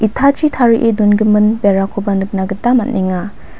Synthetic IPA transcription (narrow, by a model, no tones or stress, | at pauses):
itʰat͡ʃitʰaɾiʔedunɡɯmɯnbeɾakʰobanɯk̚naɡɯtːamatniŋa